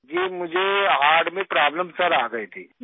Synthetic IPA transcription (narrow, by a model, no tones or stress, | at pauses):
d͡ʒiːmʊd͡ʒʱeɦaːɾɖmẽpɾaːbləmsɐɾaːɡɐit̪ʰiː